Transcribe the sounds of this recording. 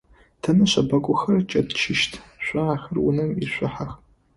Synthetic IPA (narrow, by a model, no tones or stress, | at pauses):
tʰɐnɐɕʷɐbɐkʷʼʊxɐrt͡ʃʼɐdt͡ʃʰɪʃtʰɕʷaːxɨrwʊ̰nɨmiʃʷʊħax